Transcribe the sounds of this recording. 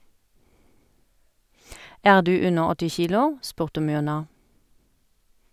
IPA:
ˈæːʁ ˈdʉː ˈʉnəʁ ˈɔtɪ ˈçiːlʊ ˈspʉʁtə ˈmʏʁnɑ

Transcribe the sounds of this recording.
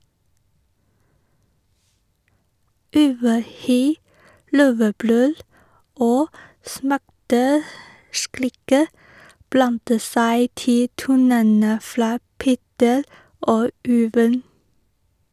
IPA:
ˈʉʋəˌhyː ˈløːʋəˌbɾøːl ˈoː ˈsmæʈəˌskɾiːkə ˈblɑntə ˈsæɪ ˈtɪ ˈtuːnənə ˈfɾɑː ˈpeːtəɾ ˈoː ˈʉːʋən

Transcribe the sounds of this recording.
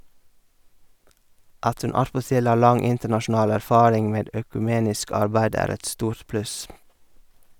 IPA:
ˈɑt ˈʉn ˈɑtpɔˌtɪl ˈɑː ˈlɑŋ ˈɪntəɳɑʃn̩ˌɑːl æɾˈfɑːɾɪŋ ˈmeːd øːkʉˈmeːnɪsk ˈɑɾbæɪd ˈæːɾ ˈɛt ˈstuːɾt ˈplʉs

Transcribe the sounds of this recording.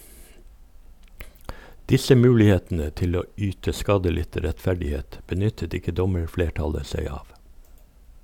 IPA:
ˈdɪsə ˈmʉːlɪˌheːtn̩ə ˈtɪl ˈoː ˈyːtə ˈskɑːdəˌlɪtə ɾɛtˈfæɖɪˌheːt bəˈnʏtət ˈɪkə ˈdɔməɹˌfleːˌʈɑlə ˈsæɪ ˈɑːʋ

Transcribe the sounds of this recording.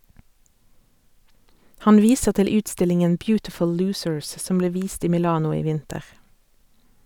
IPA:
ˈhɑn ˈʋiːsəʁ ˈtɪl ˈʉːtˌstɪlɪŋən ˈbjʉːtɪfʊl ˈlʉːsəɹs ˈsɔm ˈbleː ˈʋiːst ˈiː mɪˈlɑːnʊ ˈiː ˈʋɪntəʁ

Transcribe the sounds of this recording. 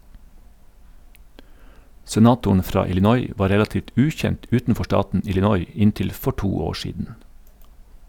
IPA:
sɛˈnɑːtʊɳ ˈfɾɑː ɪlɪˈnɔʏ ˈʋɑː ˈɾɛlɑtiːʋt ˈʉːçɛnt ˈʉːtn̩ˌfɔ ˈʃʈɑːtn̩ ɪlɪˈnɔʏ ˈɪntɪl ˈfɔ ˈʈuː ˈoː ˈʃiːdn̩

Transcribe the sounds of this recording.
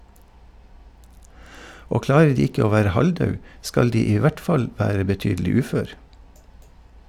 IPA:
ˈoː ˈklɑːɾə ˈɖiː ˈɪkə ˈoː ˈʋæːɾə ˈhɑlˌdɑʉ ˈskɑl ˈdiː ˈiː ˈʋæʈ ˈfɑl ˈʋæːɾə bəˈtyːdlɪ ˈʉːføːɾ

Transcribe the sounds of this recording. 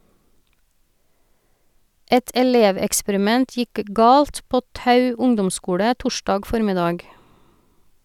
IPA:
ˈɛt ɛˈleːʋɛkspəɾɪˌmɛnt ˈjɪk ə ˈɡɑːlt ˈpoː ˈtɑʉ ˈʊŋdɔmˌskuːɽə ˈtʊˌʃdɑːɡ ˈfɔɾmɪˌdɑːɡ

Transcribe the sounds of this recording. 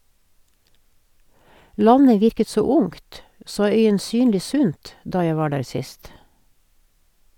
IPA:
ˈlɑɲə ˈʋɪɾkə ˈtsoː ˈʊŋt ˈsoː ˌœʏənˈsyːnliː ˈsʉnt ˈdɑː ˈjæ ˈʋɑː ˈɖæːɹ ˈsɪst

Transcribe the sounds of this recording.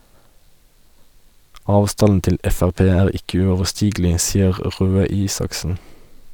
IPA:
ˈɑːʋˌstɑnn̩ ˈtɪl ˈɛfæʁˌpeː ˈæːʁ ˈɪkə ʉɔʋəˈsʈiːɡl̩ɪ ˈsiːəʁ ˈʁøː ˈiːsɑksn̩

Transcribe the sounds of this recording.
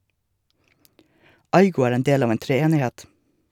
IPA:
ˈɑɪɡʊ ˈæːɾ ˈeːn ˈdeːl ˈɑːʋ ˈeːn tɾɛˈeːnɪˌhɛt

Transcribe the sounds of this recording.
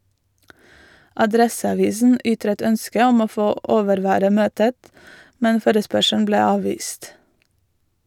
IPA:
ʔɑˈdɾɛsɑˌʋiːsn̩ ˈʔʏtɾət ˈœnskə ˈɔm ˈoː ˈfoː ˈʔoːʋəɾˌʋæːɾə ˈmøːtət ˈmɛn ˈfoːɾəspœʃæɳ̩ ˈbleː ˈɑːʋʋiːst

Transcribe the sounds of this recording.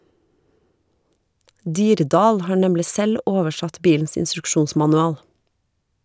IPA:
ˈdiːɾˌdɑːl ˈhɑː ˈɳɛmlɪ ˈsɛl ˈoːʋəˌʃɑt ˈbiːln̩s ɪnstɾʉkˈʃuːnsmɑnʉˌɑːl

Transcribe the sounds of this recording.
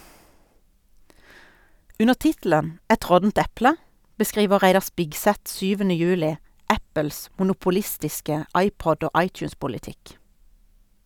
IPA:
ˈʉnə ˈtɪtl̩ən ˈɛt ˈʁɔtn̩t ˈɛplə bəˈskʁiːʋə ˈʁæɪdɑ ˈspɪkˌsɛt ˈʃyːʋənə ˈjʉːlɪ ˈæpəls mʊnʊpʊˈlɪstɪskə ˈɑɪˌpɔd ˈoː ˈɑɪˌtjʉːspʊlɪˌtɪk

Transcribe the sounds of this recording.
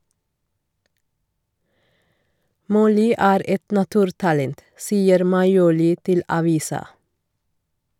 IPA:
ˈmɔlʏ ˈæːɾ ˈʔɛt nɑˈtʉːɾtɑlɛnt ˈsiːəɾ mɑɪˈuːlɪ ˈtɪl ɑˈʋiːsɑ

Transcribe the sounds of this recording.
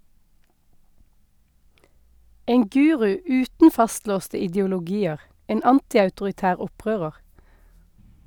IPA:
ˈeːŋ ˈɡʉːʁʉ ˈʉːtn̩ ˈfɑstloːstə ɪdjʊlʊˈɡiːəʁ ˈeːn ˈɑntɪɑʉtʊʁɪˌtæːʁ ˈɔˌpʁøːʁəʁ

